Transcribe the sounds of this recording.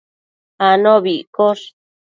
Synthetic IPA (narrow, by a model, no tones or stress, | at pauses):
anõβiʔkoʂ